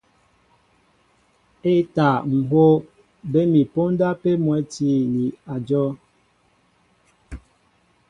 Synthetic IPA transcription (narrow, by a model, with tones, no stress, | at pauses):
e˦ta˨ŋ̩˨ho˦ | be˦mi˨po˦nda˦pe˦mwɛ˨˦ti˦ni˨a˨d͡ʒɔ˦